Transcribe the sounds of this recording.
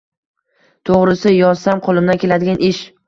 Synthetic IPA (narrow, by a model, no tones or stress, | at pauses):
t̪ʰoʁɾɪsɪjɒzsamqʰolˠɪmd̪ankʲʰe̞lad̪ɪɡʲanʔɪʃ